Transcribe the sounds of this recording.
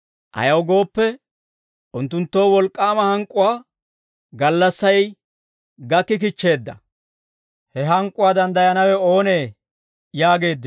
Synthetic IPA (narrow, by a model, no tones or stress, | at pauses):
ʔɐ̰jɐwɡo̞ːpːɛ | ʔʊnt̪ːʊnt̪ːo̞ːwɔlkʼːaːmɐhɐŋkʼːʊwaː | ɡɐlːɐsːɐj | ɡɐkːɪk̬ɪt͡ʃːe̞ːd̪ːɐ | hɛɦɐŋkʼːʊwaːd̪ɐnd̪ɐjɐnɐwɛo̞ːneː | jaːɡe̞ːd̪ːɪ